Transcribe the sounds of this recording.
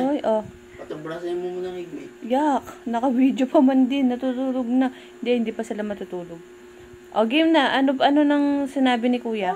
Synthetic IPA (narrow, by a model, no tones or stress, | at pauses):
ojʔo | ɐt̪ɐbaɐmʊmʊnɐŋiɡɪjaknɐkɐwiːd̪jopɐmɐnd̪ɪnːɐt̪uːt̪uːloɡ̚nɐhɪnd̪ɛhɪnd̪iːpɐsɪlamɐt̪ut̪uːloɡ̚ | ʔoɡimnɐʔɐnopʔɐno̞nɐŋsɪnaːbɪnɪkuːjɐ